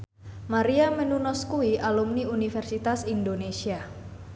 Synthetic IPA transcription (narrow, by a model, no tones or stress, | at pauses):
maɾiamənunɔskuiʔalumniunifɛrsit̪asindonesia